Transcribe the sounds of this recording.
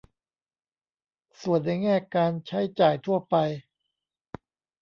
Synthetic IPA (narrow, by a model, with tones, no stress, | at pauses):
su˨˩ənːa˧˩jŋɛː˥˩kaː˧nt͡ɕʰa˦˥jt͡ɕaː˨˩jt̪ʰu˥˩ɐpa˧j